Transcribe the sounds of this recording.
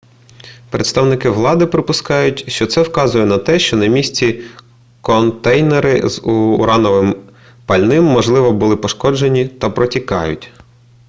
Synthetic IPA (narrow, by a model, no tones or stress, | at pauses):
pɾet̪st̪ɐwnɪkɪʋlˠɑd̪ɪpɾɪpʊskɑjʊtʲʃt͡ʃɔt̪sɛwkɑzʊjɛnɐt̪ɛʃt͡ʃɔnɐmʲisʲt͡sʲi | kɔnt̪ɛjneɾɪzuːɾɑnɔʋɪm | pɐlʲnɪmːɔʒlˠɪʋɔbʊlˠɪpɔʃkɔd͡ʒe̞nʲit̪ɐpɾɔtʲikɑ̰jʊ̰tʲ